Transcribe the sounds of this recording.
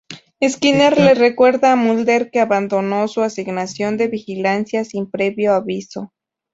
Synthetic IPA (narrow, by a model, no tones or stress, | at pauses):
eskineɾlerekwe̞ɾðaːmuld̪eɾkeaβand̪o̞no̞suasiɡnasjo̞nd̪e̞βixilansjasimpɾeβjoaβiso